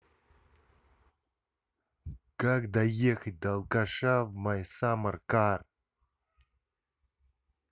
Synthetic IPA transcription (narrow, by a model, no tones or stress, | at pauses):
kakd̪ajext̚ʲd̪alˠkaʂavmajsamarkar